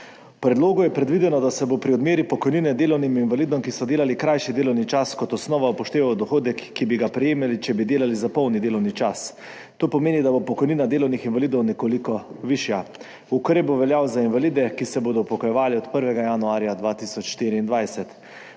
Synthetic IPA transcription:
wpɾɛd̪loːɡujɛpɾɛd̪ʋid̪ɛnɔd̪asɛbopɾiɔd̪meːɾipɔkɔjninɛd̪eːlɔwniminvalid̪ɔmkisɔd̪eːlalikɾajʃid̪eːlɔwnit͡ʃaskɔt̪ɔsnɔːʋaupɔʃt̪eːʋawd̪ɔxoːd̪ɛkːibiɡapɾɛjeːmɛlit͡ʃɛbid̪eːlalizapɔwnid̪eːlɔwnit͡ʃas | t̪oːpɔmeːnid̪abopɔkɔjninad̪eːlɔwnixinʋalid̪ɔwnɛkolikɔʋiʃja | ukɾeːb̚boʋɛljawzainvalid̪ɛkisɛboːd̪ɔpɔkɔjɛʋaːliɔt̪pəɾʋɛɡajanuaːɾjad̪ʋaːt̪isɔt͡ʃʃt̪iːɾiːnd̪ʋajsɛt̪

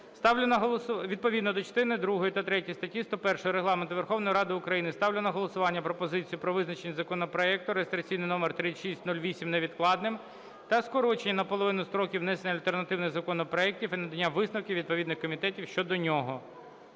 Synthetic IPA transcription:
st̪ɑnɐɦ̪ˠsʋʲid̪̚pɔʋʲid̪nɔd̪ɔt͡ʃɐ̥st̪ɪnɪd̪ɾuɦɔjit̪ɐt̪ɾɛtʲijst̪ɐtʲːist̪ɔpɛrʃɔjɔɾeɦlˠɑment̪ʊʋerxɔwnɔjiɾɑd̪ɪʊkɾɐjinɪst̪ɑwlʲenɐɦɔlˠɔsʊʋɑnʲːɐpɾɔpɔzɪt͡sʲijʊpɾɔʋɪznɐt͡ʃenʲːɐzɐkɔnɔpɾɔɛk̚t̪ʊɾeest̪ɾʲɐt͡sʲijnɪjnɔmert̪ɾɪʃisʲtʲnulʲʋʲisʲimneʋʲid̪klˠɑd̪nɪm | t̪ɐskɔɾɔt͡ʃenʲːɐnɐpɔlˠɔʋɪnʊst̪ɾɔkʲiwnɛsenʲɐlʲt̪ernɐt̪ɪwnɪɣzɐkɔnɔpɾɔɛk̚tʲifinɐd̪ɐnʲːaʋɪsnɐwkʲiʋʲid̪̚pɔʋʲid̪nɪxkɔmʲit̪ɛtʲiwʃt͡ʃɔd̪ɔnʲɔɦɔ

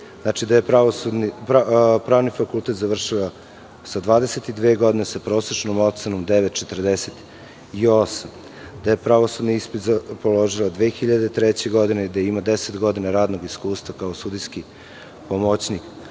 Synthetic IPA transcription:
znat͡ʃid̪aje̞pɾaoud̪niapɾaːʋnifakult̪e̞t̪zaʋr̩ʂila | sad̪ʋaːd̪eset̪id̪ʋeːɡo̞d̪inesapɾoːsɾet͡ʂnomot̪senomd̪eʋet̪t͡ʃet̪rd̪eset̪ | io̞sam | d̪aje̞pɾaʋosud̪niispit̪zapolo̞ʒilad̪ʋeːxiʎad̪e̞t̪ɾet͡ɕeɡo̞d̪ined̪ajeimad̪eset̪ɡo̞d̪inaɾaːd̪noɡiskuːst̪ʋakaosud̪ijski | pomot͡ɕnik

